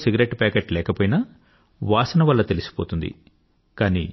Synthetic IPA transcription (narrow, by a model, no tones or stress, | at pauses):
siɡɐɾeʈpɛːkeʈlɛːkɐpoːjinɐ | ʋaːsɐnɐʋɐlːɐt̪e̞lisi̥po̞ːt̪und̪ḭ | kaːnḭː